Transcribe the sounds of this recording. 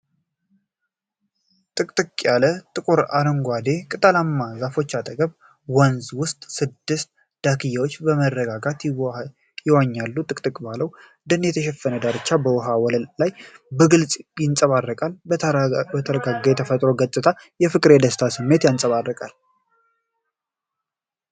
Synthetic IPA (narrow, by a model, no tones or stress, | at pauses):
t̪ʼɨkʼt̪ʼɨkʼːjalət̪ʼɨkʼuɾa̰ɾəŋɡʷad̪e̞kʼɨt̪ʼəlamːazafo̞t͡ʃːat̪ʼəɡəβ | wɔnzwʊst̪ʼsɨd̪ːɨst̪̚ | d̪̥akʰɨjːawot͡ʃːbəmərːəɡaɡat̪ | jɪwaɲːalːut̪ʼɨkʼt̪ʼɨkʼbaləw | d̪ənjɛt̪ʰəʃɛfːənəd̪aɾɨt͡ʃːabəwɔɦawɔləllajbəɡɨlsʼjɪnsʼəβarːəkʼal | bət̪ʰəɾəɡaɡaɛt̪ʰəfət̪ʼɾo̞ɡət̪ʼɨt̪ʰa | jɛfɨkʼɨɾed̪əst̪ʰasɨmːe̞t̪jansʼəβarːəkʼal